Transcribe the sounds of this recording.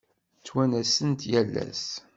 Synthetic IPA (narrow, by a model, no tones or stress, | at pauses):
t͡sːwænæsənt̪jælːæ̰s